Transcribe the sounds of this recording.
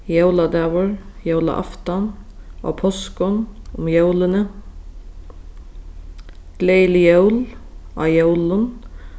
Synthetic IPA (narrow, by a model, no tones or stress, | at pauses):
jœʉlɑd̪ɑːʋəɹjœʉlɑ̰ʔɑ̰ft̪ɑnʔo̰ːpʰɔskɔnʊmjœʉlənə | ɡ̥leɪlɪjœʉlɑ̰ːjœʉlən